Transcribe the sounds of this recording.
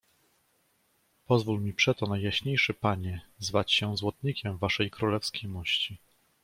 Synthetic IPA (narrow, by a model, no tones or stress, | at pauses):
pɔzvulmʲipʂɛt̪ɔnajːaɕɲejʂɘpaɲɛzvat͡ɕɕɛzwɔt̪ɲikʲɛmvaʂɛjkɾulɛfskʲejmɔɕt͡ɕi